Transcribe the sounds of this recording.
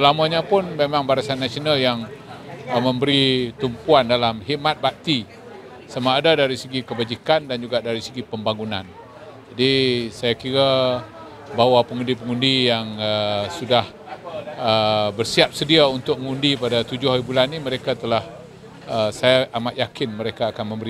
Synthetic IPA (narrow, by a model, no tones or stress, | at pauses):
səlamaɲapʊnmemãŋbaɾasanːasionaljaŋ | məmbəɾit̪umpuandalamɦiʔmat̪̚baʔ̚t̪i | samaːdadaɾisəɡikəbad͡ʒikandand͡ʒuɡaʔdaɾisəɡipəmbaŋunan | d͡ʒadisajakiɾa | bawapəŋundip̬əŋundijaŋəsudah | əbərsiap̚sədiaunt̪ʊk̚ŋundipadat̪ud͡ʒʊhaɾibulanːĩməɾekat̪əlah | əsajaʔamat̪jakɪnməɾekaːkanmə̃mbəɾi